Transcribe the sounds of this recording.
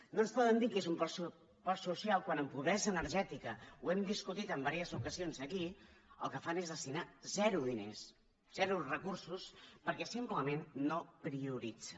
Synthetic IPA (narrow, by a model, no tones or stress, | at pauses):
nonspɔðənd̪ikezumpsu | pɔɾsusjalˠkwanəmpuβɾɛzəːnəɾʒɛt̪ikəuɛmd̪iskut̪it̪əmbaɾiəzukəzionzəkiə̰lˠkəfanezðəst̪inazɛɾuðinḛs | z̥ɛɾurəkursuspəɾkɛsimpləmenːopɾiuɾid͡zə